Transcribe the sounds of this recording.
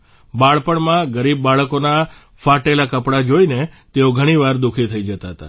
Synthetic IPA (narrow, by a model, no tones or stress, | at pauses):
baɭpəɳmãɡəɾibːaɭkona | faʈelakəpɽad͡ʒoinet̪eoɡʱəɽ̃iʋaɾd̪ukʰit̪ʰəid͡ʒət̪aɦət̪a̰